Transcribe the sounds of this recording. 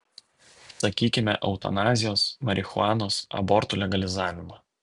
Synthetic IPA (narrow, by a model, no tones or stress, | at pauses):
sɐkʲiːkʲɪmʲɛʔɐʊt̪ɐ̰nɑːzʲɪjoːsmɐɾʲɪxʊɑːnoːsɐ̰bɔɾt̪uːlʲɛɡɐlʲɪzɑːʋʲɪmɑ